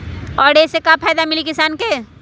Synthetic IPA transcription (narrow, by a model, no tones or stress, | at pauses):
ɔːɖesekapʰaːjd̪amɪlikɪsaːnke